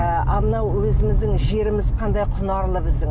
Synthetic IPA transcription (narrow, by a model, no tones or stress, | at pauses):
ʔɑmənɑwwɵzɪmɪzd̪ɪŋʒe̞ɾɪmɪzqʰɑnd̪ɑjqʰʊnɑɾlˠəbɪzd̪ɪŋ